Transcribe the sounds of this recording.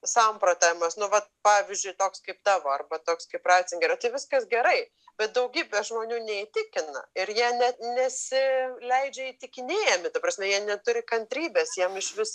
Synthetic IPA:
sɐmpɾot̪ɐmɐsnʊʋɐt̪̚pɑːʋʲɪzʲd͡ʒʲʊɪt̪oːkskɐɪp̚t̪ɑːʋoːɐrbɐt̪oːkskɐɪprɑːsʲɪŋɡʲɪɾɐt̪ɐɪʋʲɪskɐsɡʲɛɾɐɪ | b̥ʲɛt̪̚d̪ɐʊɡʲiːbʲɛʒmoːnʲuːnʲɛiːt̪ʲɪkʲɪnɐ̰ɪɾjiɛnʲɛnʲɛsʲɪlʲɛɪd͡ʒʲɛiːt̪ʲɪkʲɪnʲeːjɛmʲɪt̪ɐprɐsʲmʲɛjiɛnʲɛt̪ʊɾʲɪkɐnʲt̪ʲɾʲiːbʲesjiɛmɪʃʋʲɪs

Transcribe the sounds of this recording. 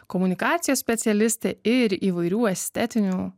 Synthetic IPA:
kɔmʊnʲɪkɑːt̪sʲɪjosʲpʲɛt̪sʲɛlʲɪsʲt̪ʲeɪɾiːʋɐɪɾʲuːɐsʲt̪ʲɛt̪ʲɪnʲu

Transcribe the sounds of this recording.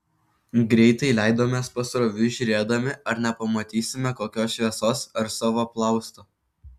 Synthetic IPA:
ɡɾʲɛɪt̪ɐɪlʲæˑɪd̪oːmʲeːspɐsɾoʋʲʊʒʲʊɾʲeːd̪ɐmʲɪɐɾnʲɛpɐmɐt̪ʲiːsʲɪmʲɛkoːkʲoːsʃʲʋʲiɛsoːsɐɾsɑːʋoːplˠɑˑʊst̪oː

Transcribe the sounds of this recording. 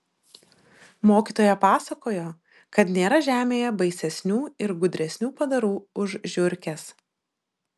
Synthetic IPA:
moːkʲiːt̪oːjɛpɑːsɐkoːjoː | kɐt̪nʲeːɾɐʒʲæːmʲeːjɛbɐɪsʲɛsʲnʲuːɪɾɡʊd̪ʲɾʲɛsʲnʲuːpɐd̪ɐɾuːʊʒʒʲʊɾʲkʲɛs

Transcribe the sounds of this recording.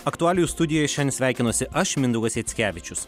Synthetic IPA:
ɐkt̪ʊæːlʲɪjust̪ʊd̪ʲɪjoːjɛʃʲɛnʲsʲʋʲæˑɪkʲɪnoːsʲɪʔɐʃmʲɪnd̪ʊɡɐsʲeːt̪sʲkʲæːʋʲɪt͡ʃʲʊs

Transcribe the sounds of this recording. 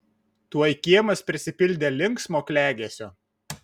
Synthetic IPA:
t̪uɔjkʲiɛmɐspʲɾʲɪsʲɪpʲɪlʲd̪ʲeːlʲɪŋˑksmoːkʲlʲæːɡʲeɛsʲoː

